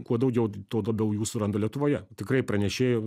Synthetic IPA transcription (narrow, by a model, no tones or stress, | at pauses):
kuɔd̪ɐʊɡʲɛʊt̪oːlˠɐbʲɛʊjuːsʊɾɐnd̪oɐlʲiɛt̪ʊʋoːjɛt̪ʲɪkrɐɪpɾɐnʲɛʃʲeːjoː